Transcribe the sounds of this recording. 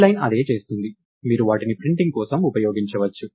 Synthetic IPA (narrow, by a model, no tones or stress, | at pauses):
lɐjnɐ̰d̪e̞ːt͡ʃe̞ːst̪und̪i | miːɾuʋaːʈinipɾiɳʈiŋɡkɔːsɐmupɐjoːɡiɲt͡ʃɐʋɐt͡ʃːu